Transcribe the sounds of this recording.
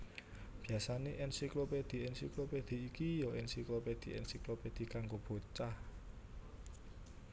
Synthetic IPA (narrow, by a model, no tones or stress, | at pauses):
b̥i̤asaneʔɛnsikloped̪̥i̤ɛnsikloped̪̥i̤ːkijɔʔɛnsikloped̪̥i̤ʔɛ̰nsikloped̪̥i̤kaŋɡob̥o̤t͡ʃah